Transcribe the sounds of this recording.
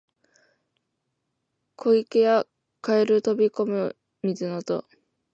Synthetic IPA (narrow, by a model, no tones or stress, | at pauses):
kʰo̞ikeja | kaeɾɯ̟t̪o̞bʲiko̞mɯ | mʲizɨnot̪o̞̰